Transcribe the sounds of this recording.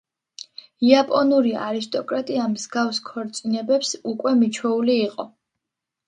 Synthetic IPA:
iapʼɔnuɾia̰ɾis̬t̪ʼɔkʼɾat̪ʼiamzɡafskʰɔɾt̪sʼinɛbɛpsukʼwɛmit͡ʃʰwɛuliːqʼɔ

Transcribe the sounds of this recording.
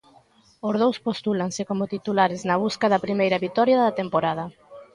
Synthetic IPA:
ozðowspost̪ulaŋsɪkomʊt̪it̪ulaɾɪznɐβ̞uskaðɐpɾimejɾɐβit̪ɔɾjaðɐt̪empoɾað̞ɐ

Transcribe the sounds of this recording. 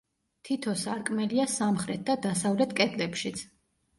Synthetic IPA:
t̪ʰit̪ʰɔsaɾkʼmɛliasamχɾɛt̪̚ʰd̪ad̪asavlɛt̪ʰkʼɛd̪lɛpʃit̪sʰ

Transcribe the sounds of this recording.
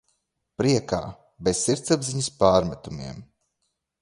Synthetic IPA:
pɾiɛka̰ː | besːiɾt̪sabziɲɐspaːɾmɛt̪umḭɛm

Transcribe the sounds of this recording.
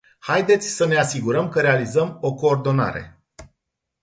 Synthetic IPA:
hajd̪e̞t̪sʲsəne̞asiɡuɾəmkəɾe̞alizəmo̞ko̞ːrd̪o̞na̰ɾe̞̰

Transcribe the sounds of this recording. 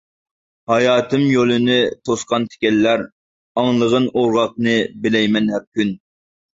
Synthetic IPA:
hɑjɑːt̪ʰɨmjolˠɨnɨt̪ʰosqɑnt̪ʰɪ̥kʲɛlːæɾ | ɑŋlˠəʁənoɾʁɑq̚nɨbɪlɛjmɛnɦɛp̚kʲyn

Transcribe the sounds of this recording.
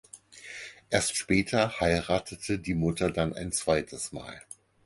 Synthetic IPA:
ʔeːɐstʃpɛːtʰɐhaɪʁaːtʰətʰədiːmʊtʰɐdanʔa̰ɪnt͡sv̥aɪtʰəsma̰ːl

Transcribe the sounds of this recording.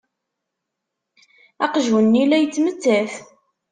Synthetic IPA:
æqʒwənːilæjət͡sːmət͡sːæθ

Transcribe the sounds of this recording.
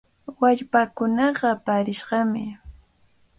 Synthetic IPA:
waʎpakʊnɑɢɑpaɾɪʃɢɑmɪ̰

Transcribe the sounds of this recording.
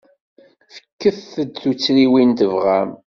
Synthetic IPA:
fə̥kːəθθəd̪θut͡sːɾiwint̪əvʁæm

